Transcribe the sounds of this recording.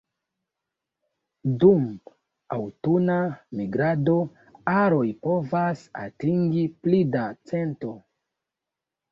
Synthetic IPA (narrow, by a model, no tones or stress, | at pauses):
dum | awtunamiɡɾado̞ | aɾo̞jpo̞vasa̰tiŋɡiplidat͡se̞nto̞